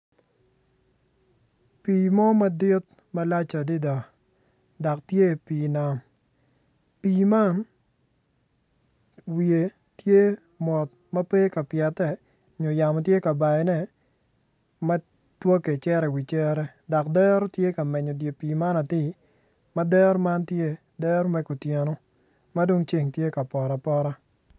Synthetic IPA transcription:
piː˨mɔ˦ma˦dɪ˦t̪̚ | ma˦la˦t͡ʃa˨dɪ˦da˨ | da˨ktje˦˨piː˨na˨m | piː˨ma˦n | wi˨e˨ | tje˦ | mɔ˨t | mɐ˦pe˦ka˨pja˨tːɛ˨ | ɲo˨ja˨mɔ˨tje˦ka˨ba˨ɛ˨nɛ˦ | ma˦ | two˦ke˨t͡ʃɛ˦ɾɛ˨wi˨t͡ʃɛ˦ɾɛ˦ | da˨kdɛ˦ɾo˦tje˦ka˨mɛ˨ɲɔ˨dje˨piː˨ma˦na˨tɪ˦ | ma˦dɛ˦ɾma˦ntje˦ | dɛ˦ɾmɛ˦ku˨tje˨no˦ | ma˦do˦ŋt͡ʃe˨ŋtje˦ka˨pɔ˨ɾa˨pɔ˦ɾa˦

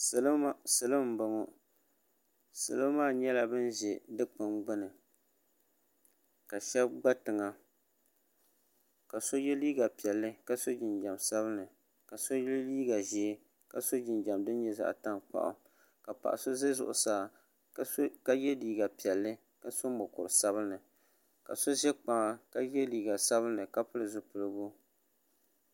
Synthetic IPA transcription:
sɨ˨lsɨ˨lɨ˦m̩˦bɨ˦ŋo˦ | sɨ̰˨lɨ˦maː˦˨ɲɛ˦la˨bɨ˦nʒɛ˨dɨ˦k͡pɨ˦mɡ͡bɨ˦nɨ˨ | ka˨ʃɛ˦b̚ɡ͡ba˦tɨ˨ŋa˨ | ka˨so˦jɛ˦liː˦ɡa˨pi˨ɛ˨lːɨ˦ka˦so˦d͡ʒɪ˨nd͡ʒa˨msa˦βɨ˦nɨ˨ | ka˨so˦jlliː˦ɡa˨ʒɛ˨˦ | ka˨so˦d͡ʒɪ˨nd͡ʒa˨mdɨ˦n˦ɲɛ˦za̰˨ʔta˦ŋk͡pa̰˨ʔʊ̰˨ | ka˨pa̰˨ʔa̰˨so˦ze˦zʊ̰˨ʔʊ̰˨saː˨˦ | ka˦jɛ˦liː˨ɡa˨pi˨ɛ˨lːɨ˦ | ka˨so˦mʊ˨kʊ˨ɾɨ˨sa˦βɨ˦nɨ˨ | ka̰˨so˦ʒɛ˦k͡pa˨ŋa˦ka˦jɛ˦liː˨ɡa˨sa˦βɨ˦nɨ˨ka˦pɨ˦lɨ˨zʊ˨pɨ˨lɨ˦ɡʊ˦

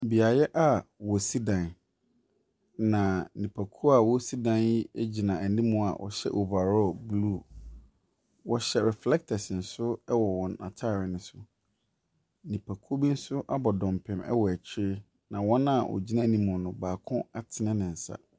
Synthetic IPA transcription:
bi˨a˨jɛ˦ʔa˦wɔ˨si˦dã˨n | nã˨nĩ˨pʰa˨kʰu˦a˨wɔ˦si˦dã˦˨nji˦e˦d͡ʑi˨nã˨ɛ˨n˦nĩ˦mʊ̃˦a̰˨wʔɔ̰˨ɕɛ̰˦ʔo˨ba˨ɾɔ˦˨blu˦˨ | wɔ˦ɕɛ˦ɾɛ˨flɛ˦k̚tʰa˨sɪ˨n̩˨sʊ˦ɛ˦wɔ˨wɔ̃˨na̰˨tʰa˦˨ɾɪ˨nɪ̃˨sʊ˨ | nĩ˨pʰa˨kʰu˦o˦bi˦n̩˦sʊ˦ʔa˦bɔ˨dɔ̃˨m˨pʰɪ̃˨mɛ̰˦wɔ˨æ˨t͡ɕʰɪ˦ɾɪ˦ | nã˨wɔ̃˦nã˦˨ʔɔ̰˨d͡ʑi˦nã˦˨nĩ˦mʊ̃˨nʊ̃˨baː˨kʰʊ̃˦a˨tʰɪ˨nɪ̃˦nɪ̃˨n̩˨sa̰˦

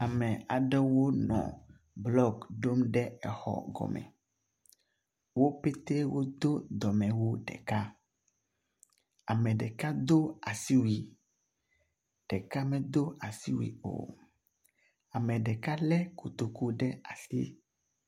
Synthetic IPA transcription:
a˨mɛ̃˨a̰˨ɖɛ˦wo˦nɔ̰̃˨ | blɔ˦ɡɖo˦mɖɛ˦ɛ˨xɔ̰˨ɡɔ̰˨mɛ̰̃˨ | wo˦pe˦t̪e˦wo˦d̪o˦d̪ɔ˨mɛ̃˨wo˦ɖɛ̰˨ka˦ | a˨mɛ̃˨ɖɛ˨ka˦d̪o˦a˨si˦wi˨ | ɖ̥ɛ˨ka˦mɛ̃˨d̪o˦a˨si˦wḭ˨o̰˨ | a˨mɛ̃˨ɖɛ˨ka˦lɛ˦ku˨t̪o˨ku˦ɖɛ˦a˨sḭ˦

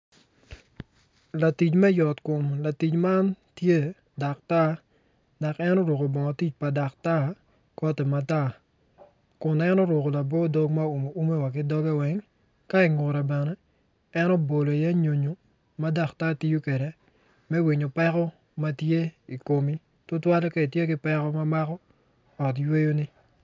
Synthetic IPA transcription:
la˨ti˨t͡ʃmɛ˦jɔ˨tko˨mla˨ti˨t͡ʃma˦ntje˦ | da˨k̚ta˦ | da˨kɛ˦nɔ˦ɾo˨ko˨bɔ˨ŋɔ˨ti˦t͡ʃ̚pa˨da˨k̚ta˦ | kɔ˦tɛ˨mata˦ | kʊ˨nɛ˦nɔ˦ɾʊ˨ko˨la˨bɔ˦do˦kma˦u˨mo˨u˦me˦wa˨k̬ɪ˦dɔ˦ɡɛ˦wɛ˦ŋ | ka˦ɪ˨ŋʊ˨ɾɛ˨bɛ˨nɛ˦ | ɛ˦nɔ˦bo˨lo˨ja˦ɲo˨ɲo˨ | ma˦da˦˨kta˦ti˦ju˦ke˨de˦ | mɛ˦wi˨ɲo˨pɛ˦kɔ˦ | ma˦tje˦i˨ko˨mi˦ | tʊ˦twa˦lɔ˦ke˦i˨tje˦kɪ˦pɛ˦kɔ˦ma˦ma˦kɔ˦ | ɔ˨t̬jwe˦jo˦nɪ˦

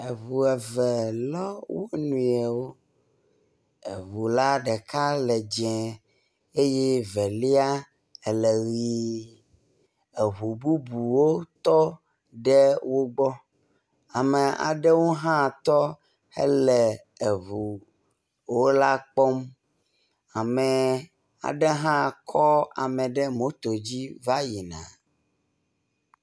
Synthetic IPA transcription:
e˨βu˨ɛ˨vɛ˨lɔ˦wo˦nũ˨ɛ˨wo˦ | e˨βu˨la˦ɖɛ˨ka˦lɛ˨d͡ʒɛ̃˨ | e˦je˦vɛ˨li˦a˦ | ɛ˨lɛ˨ɣi˨ | e˨βu˨bu˦bu˨wo˦t̪ɔ˦ | ɖɛ˦wo˦ɡ͡bɔ˦ | a˨mɛ˨a̰˨ɖɛ˦wo˦ɦã˦˨t̪ɔ˦ | hɛ̰˦lɛ˨ | e˨βu˨ | wo˦la˦k͡pɔ˦m | a˨mɛ˨ | a̰˨ɖɛ˦ɦã˦˨kʰɔ˦a̰˨mɛ̃˨ɖɛ˦mõ˦t̪o˨d͡ʑi˦va˦ji˨nã̰˨

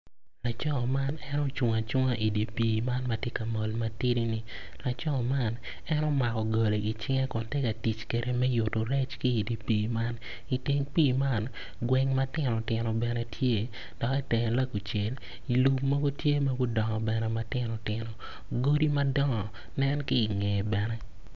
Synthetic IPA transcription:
la˨t͡ʃɔ˦ɔ˨ma˦nɛ˦nɔ˦t͡ʃʊ˨ŋa˨t͡ʃʊ˦ŋa˦ʔi˨di˨piː˨ma˦nma˨tje˦ka˨mo˨lma˨ti˦ɾi˦ni˨ | la˨t͡ʃɔ˦ɔ˨ma˦n | ɛ˦nɔ˦ma˨kɔ˨ɡo˨le˨ɡi˨t͡ʃɪ˦ŋe˦kɔ˨nte˦ka˨ti˨t͡ʃke˨ɾʔe˨mɛ˦jʊ˨to˨ɾɛ˦t͡ʃkiː˦˨di˨piː˨ma˦n | i˨ti˦ŋpiː˦˨ma˦n | ɡwɛ˦ŋma˦tɪ˦nɔ˨tɪ˨nɔ˨bɛ˨nɛ˨tʰje˦ | d̥ɔ˨ki˦tɛ˨ŋ˨la˦ku˨t͡ʃe˨l | i˨lu˨pmɔ˦ɡo˦tje˦ma˦ɡʊ˦dɔ˨ŋɔ˨bɛ˨nɛ˨ma˦tɪ˦nɔ˨tɪ˨no˨ | ɡo˦di˦mɐ˦dɔ˦ŋɔ˨ | nɛ˦nki˦˨ŋe˨bɛ˨nɛ˦

